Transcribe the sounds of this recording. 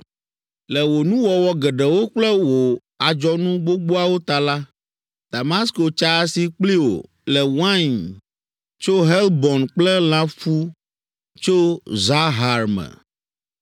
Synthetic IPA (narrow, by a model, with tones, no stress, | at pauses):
lɛ˨wo˨nũ˦wɔ˨wɔ˦ɡɛ˨ɖɛ˨wo˦k͡plɛ˦wo˨ | a˨d͡ʒɔ˦nũ˦ɡ͡bo˦ɡ͡bo˦a˨wo˦t̪a˨la˦ | d̪̥a˨ma˦sko˨t͡ʃa˦si˨k͡pli˦wo̰˨ | lɛ˨wã˦˨n | t͡ʃo˦ɦɛ˦lbɔ˨nk͡plɛ˦l̃ã˦fu˦ | t͡ʃo˦za˦ɦa˨ɾmɛ̰̃˨